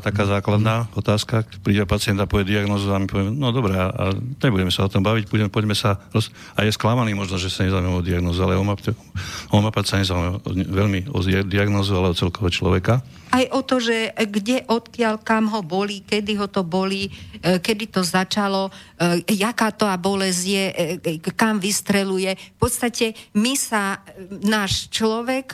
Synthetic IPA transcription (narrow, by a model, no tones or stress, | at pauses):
t̪akaːzaːklad̪naːɔt̪aːskapɾiːɟɛpat͡siɪɛnt̪apɔʋɛd̪iaɡnɔːzuamipɔʋɛmɛnɔd̪ɔbɾɛaa̰ɲɛbuɟɛmɛsaɔt̪ɔmbaʋicbuɟɛpɔɟmɛsaɾɔs | ajɛsklamaniːmɔʒnɔʒɛsaɲɛzaumɛɔd̪iaɡnɔːzualɛɔmapɛ | ɔmapatsaɲɛzaumɛɔ̰ʋɛʎmiɔ̰id̪iaɡnɔːzualɛɔt͡sɛlkɔʋɛt͡ʃlɔʋɛka | ajʔɔt̪ɔʒɛɡɟɛʔɔt̪kɪalkamɦɔbɔlikɛd̪iɦɔt̪ɔbɔlikɛd̪it̪ɔzat͡ʃalɔ | jakaːt̪ɔabɔlɛzjɛkamʋist̪ɾɛlujɛfpɔt̪st̪acɛmisanaːʃt͡ʃlɔʋɛk